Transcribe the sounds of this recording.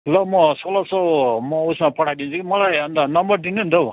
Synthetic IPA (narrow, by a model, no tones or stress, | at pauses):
lʌmʌsolʌsʰʌwmʌusmapʌɽ̤ʰajd̪int͡sʰukimʌlajʌnd̪anʌmbʌrd̪inuɦunt̪ʰʌw